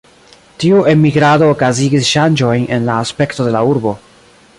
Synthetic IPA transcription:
tiuʔe̞miɡɾado̞ːkaziɡisʃand͡ʒo̞jne̞̰nlaːspe̞kto̞de̞lauɾbo̞

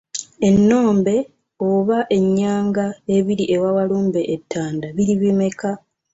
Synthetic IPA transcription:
e̞nːo̞ːmbe̞ | oβaʔe̞ɲːaːŋɡaeβiɾiʔe̞wawaluːmbe̞ʔːtʰːaːndaβiɾiβime̞ka

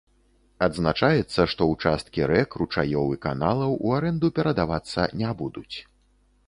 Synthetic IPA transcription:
ad̪znat͡ʂajɛt̪sːɐʂt̪ɔwt͡ʂast̪kʲiɾɛkrut͡ʂajɔwɨka̰nalˠɐwuaɾɛnd̪upʲɛɾɐd̪avat̪sːɐ̰nʲabud̪ut͡sʲ

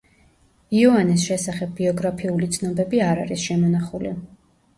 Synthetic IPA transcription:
iɔanis̬ʃɛsaχɛb̚ːiɔɡɾapʰiulit̪sʰnɔbɛbiaɾa̰ɾisʃɛmɔnaχulḭ

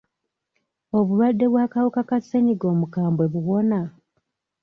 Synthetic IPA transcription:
o̞βulwadːe̞βwaːkawokakasːeɲiɡo̞ːmukaːmbwe̞βuwo̞na

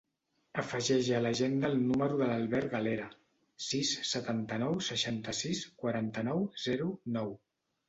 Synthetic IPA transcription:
əfəʒɛʒələʒend̪əːlˠnuməɾuðələlˠβɛɾɣaleɾə | sisːət̪ant̪ənɔwsəʃant̪əsiskwaɾant̪ənɔwz̥ɛɾunɔw

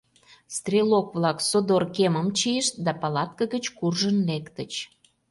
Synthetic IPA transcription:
st̪rʲelokβlɑksod̪orkeməmt͡ɕieʃt̪̚d̪ɑpɑlɑt̪̚kəɣət͡ɕkurʒənlekt̪ət͡ɕ

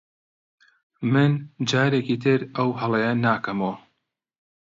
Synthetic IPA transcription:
mɨnd͡ʒaːɾekiːt̪ʰɨɾɐwhɐlˠejɐnaːkɐmoː

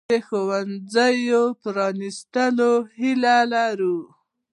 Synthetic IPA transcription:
exowanzajopɾɑnist̪əlohilalaɾu

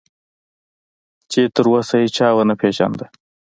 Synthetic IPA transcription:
t͡ʃet̪əɾwɐsɐit͡ʃʰaːwɐnɐpʰeːʃa̰nd̪ɐ

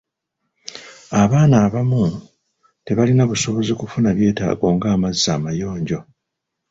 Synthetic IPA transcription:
aβaːnaːβamu | te̞βalinaβuso̞βo̞zikufunaβje̞ːta̰ːɡo̞ːŋɡaːmazːaːmajo̞ːɲɟo̞

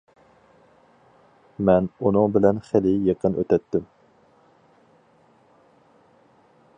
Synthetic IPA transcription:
mɛnunɨŋbɪlɛnχelɪjeqʰənø̰t̪ɛt̪ːɪm

